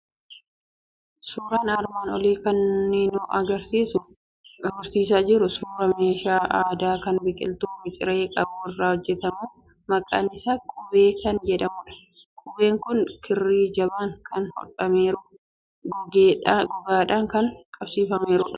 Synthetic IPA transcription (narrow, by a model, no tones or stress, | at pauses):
suːɾaːnɐɾmaːnɔliːkɐnːinuːʔɐɡɐɾsiːsʊ | ɐɡɐɾsiːs̬aːd͡ʒɪɾʊsuːɾɐme̞ːʃaːʔaːd̪aːkɐnbɪkʼɪ̰lt̪uːmɪt͡ʃʼɪ̰ɾeːkʼɐbuːɪrːaːhɔd͡ʒːɛt̪ɐmuː | mɐkʼa̰ːnɪsaːkʼʊbe̞ːkɐnd͡ʒɛᶑɐmʊᶑɐ̥ | kʼʊbe̞ːŋkʊnkʰɪrːiːd͡ʒɐbaːŋkʰɐnhɔ̰ᶑɐmeːɾʊ | ɡɔɡaːᶑaːŋkɐnkʼɐbsiːfɐmeːɾʊᶑɐ̥